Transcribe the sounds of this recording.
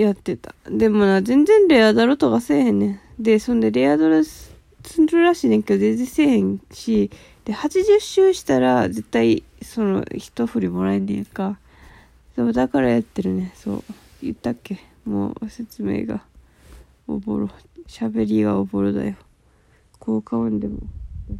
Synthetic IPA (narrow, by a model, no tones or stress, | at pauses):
jat̪ːe̞t̪ḁd̪e̞monazẽ̞nd͡zẽ̞nɾe̞ad̪aɾot̪okase̞ːhẽ̞nːẽd̪e̞sõnd̪e̞ɾe̞ad̪oɾɯ | t͡sɨnɾɯ̟ɾaɕiːnẽ̞ŋke̞d̪od̪ezise̞ːhẽ̞ŋ̃ɕi | d̪̥e̞hat͡ɕiʑɨɕːɨːɕi̥t̪aɾaze̞t̪ːai | so̞no̰çi̥t̪o̞ɸɯ̟ɾʲimo̞ɾaenḛ̃ŋka | soːd̪akaɾajat̪ːe̞ɾɯ̟ne̞so̞̰ː | jɯ̰t̪ːakːe̞ | mo̰ːse̞t͡sɨme̞̰ːɡa̰ | o̰bo̰ɾoɕabe̞ɾʲiɡaoboɾod̪a̰jo̞ | kʰoːkaɯ̃nd̪e̞mo̰